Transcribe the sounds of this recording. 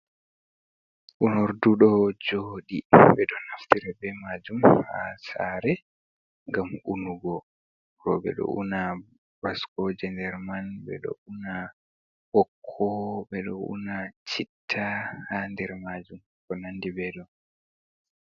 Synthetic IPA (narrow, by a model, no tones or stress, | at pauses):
ʔunɔɾduɗɔd͡ʒoːɗibɛɗɔnaftiɾɛbɛmad͡ʒumha̰saɾɛ | ŋɡamunuɡɔ | ɾɔbɛ̰ɗɔ̰ʔṵna | baskɔd͡ʒɛndɛɾmanbɛ̰ɗɔ̰una | hɔkʰːɔbɛɗɔ̰ṵnat͡ʃitʰːahandɛɾmad͡ʒum | kɔnanːdibɛɗɔ